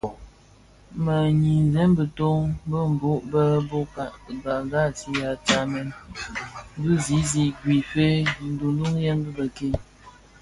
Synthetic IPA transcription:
mə˨ɲi˨n˨zɛ˨˦mbə˨to˦ŋbə˦m̩˨bo˨˦ʔbə˦bo˦ka˨ʔɡa˨ɡa˦˨ti˦ja˨t͡ʃa˦mɛ˦n˦ | bɨ˦zi˨˦zi˨ɡwi˨fe˦n̩˦du˨n˦du˦ŋjɛ˦n˦bə˦bə˨ke˦˨

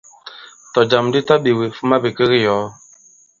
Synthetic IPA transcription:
tɔ˨d͡ʒa˨m̩˨di˦ta˦ɓi˨we˨fu˦ma˦bi˨ke˦ɾi˦jɔː˨˦

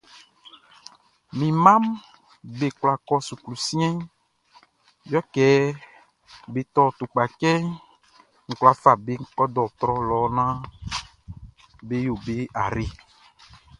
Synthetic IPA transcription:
mĩ˨mã˦m | be˨kla˨kɔ˦su˨klu˨sĩ˦ɛ̃˦ | jɔ˦kɛ˨˦ | be˨t̪ɔ˦t̪u˨k͡pa˨kɛ˦ | ŋ̩˨kla˨fa˨be˦ŋ̩˦kɔ˦d̪ɔ˨t̪ɾɔ˦lɔ˨˦nã˦ | be˦jo˨be˦a˨ɾe˦

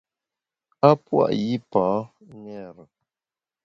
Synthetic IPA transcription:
a˦pwa̰˦˨ʔji˦pã˨˦ | ŋɛ˦˨ɾə˨

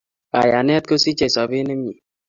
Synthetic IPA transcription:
ka˨ja˨n˦ɛ˦t̚ko˦si˦t͡ʃe˦˨sɔ˨be˦ne˦m˦i˨

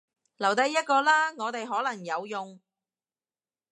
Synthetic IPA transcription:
lɐ˨˩wt̪ɐ˧jːɐ˥t̚kɔː˧laː˥ŋɔː˨˧t̪e˨jɦɔː˨˥lɐ˨˩ŋjɐ˨˧wjʊ˨ŋ

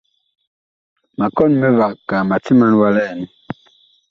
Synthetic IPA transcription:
ma˨kɔ˦˨nmɛ˦va˨kka˨ma˨ti˦ma˦n˦wa˦lɛ˦˨n˦

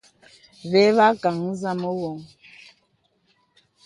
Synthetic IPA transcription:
βɛ˨˦βa˦ka˨ŋ̩˦za˦mo˦wɔ˨ŋ

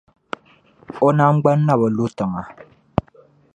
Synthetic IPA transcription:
ɔ˦na˦ŋ͡m̩˦ɡ͡ba˦n˦na˦˨bə˨lu˦tɨ˨ŋa˨

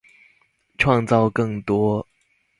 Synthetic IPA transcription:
ʈ͡ʂʰwɑ˥˧ŋt͡sɑ˥˧ʊkɤ˥˩ŋt̪wɔ˥

